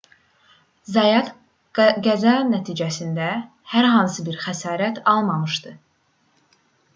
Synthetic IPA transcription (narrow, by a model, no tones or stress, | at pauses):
zɑjɑt̪ | ɡæzænæt̪ʰiːd͡ʒæsind̪æ | hæɾɦɑnsɯbiɾxæsɑːɾæt̪ʰɑlˠmɑmɯʃd̪ɯ